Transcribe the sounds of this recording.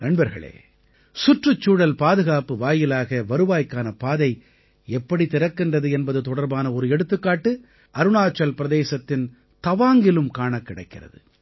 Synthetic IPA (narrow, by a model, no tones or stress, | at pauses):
nɐɳbɐɾɣɐ̰ɭḛː | sʊʈrɯt͡ʃːuːɽɐlpaːðɯɣaːpɯʋaːjɪlaːɣɐʋɐɾɯʋaːjkːaːnɐpaːðɐɪ | ɛpːɐɽit̪ɪɾɐkːɪndrɐðɯɛnbɐðɯt̪ɔɽɐɾbaːnɐɔɾɯɛɽɯt̪ːɯkːaːʈːɯ | ʔɐɾɯnaːt͡ʃːɐlpɪɾɐðeːsɐt̪ːɪn | t̪ɐʋaːŋɡɪlɯmkaːɳɐkːɪɽɐ̰ɪkːɪrɐ̰ðɯ̰